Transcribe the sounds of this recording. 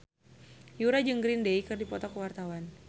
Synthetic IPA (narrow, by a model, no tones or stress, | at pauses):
juɾad͡ʒəŋɡɾindejkɨrdipɔt̪ɔkəwart̪awan